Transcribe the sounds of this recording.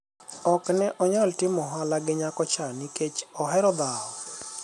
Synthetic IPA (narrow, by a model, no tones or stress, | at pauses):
ɔknɛʔɔɲɔltɪmɔɦalaɡɪɲakɔt͡ʃaniket͡ʃɔɦɛɾɔd̪aɔ